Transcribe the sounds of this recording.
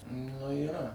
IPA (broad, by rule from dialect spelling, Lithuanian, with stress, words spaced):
nʊ iːˈrɐ